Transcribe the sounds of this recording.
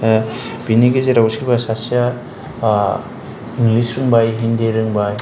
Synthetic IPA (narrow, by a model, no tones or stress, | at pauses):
biniɡezeɾawsiɾbasasia | iŋlisɾɯŋbajɦindeɾɯŋbaj